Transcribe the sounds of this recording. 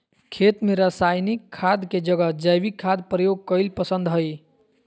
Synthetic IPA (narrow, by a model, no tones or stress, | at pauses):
kʰet̪meɾəsajnikʰːad̪ked͡ʒəɡəd͡ʒəjbikʰːad̪pɾəjoɡ̚kəɪlpəsənd̪ɦəj